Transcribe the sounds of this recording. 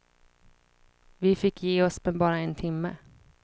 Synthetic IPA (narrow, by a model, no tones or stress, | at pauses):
vɪfɪkːjeːɔsbɛbɑːɾaɛnt̪ʰɪmːə̰